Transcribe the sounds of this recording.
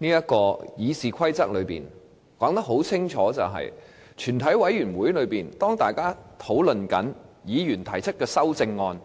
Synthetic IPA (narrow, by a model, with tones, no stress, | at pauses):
niː˥jɐ˥t̚kɔː˧jiː˨˧siː˨kʷʰɐ˥jt͡sɐ˥k̚lɵ˨˧ɥpḭː˨˩n | kɔː˨˥ŋt̪ɐ˥k̚ɦo˨˥wt͡sʰɪ˥ŋt͡ʃʰɔː˨˥t͡sɐ̰˨wɦɐ̰˨j | t͡ʃʰyː˨˩nt̪ʰɐ˨˥jwɐ˨˥jyː˨˩nwuː˨˥jlɵ˨˧ɥpiː˨˩nt̪ɔː˥ŋt̪aː˨˩jkaː˥t̪ʰo˨˥wlɵ˨nkɐ̰˨˥njiː˨˧jyː˨˩nt̪ʰɐ˨˩jt͡sʰɵ˥t̚kɛː˧sɐ˥wt͡sɪ˧ŋːɔː˧n